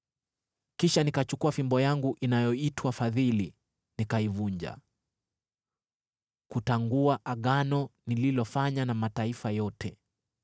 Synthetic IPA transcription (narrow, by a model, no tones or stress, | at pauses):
kiʃanikat͡ʃukuafimbɔjaŋɡuʔinajɔitwafaðili | nikaivuɲd͡ʒa̰ | kutaŋɡuaʔaɠanɔnililɔfaɲanamataifajɔtɛ